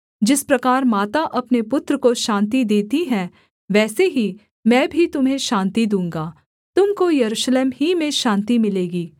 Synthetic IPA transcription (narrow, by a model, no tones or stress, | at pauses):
d͡ʒɪspɾɐkaːɾmaːt̪aʔɐpnepʊt̪ɾəkoʃãːnt̪id̪eːt̪iɦɛ̃ː | ʋɛːseɦi | mɛ̃ːbʱit̪ʊmɦẽʃãːnt̪id̪ũːŋ̆ɡaː | t̪ʊmkojɐɾuːʃleːmɦimẽʃãːnt̪imɪleːɡiː